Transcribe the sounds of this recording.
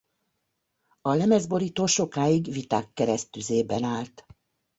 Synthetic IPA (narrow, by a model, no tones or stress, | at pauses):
ɒlɛmɛzbo̞ɾiːt̪oːʃo̞kaːjiɡʋit̪aːkːɛɾɛst̪yzeːbɛnaːlt̪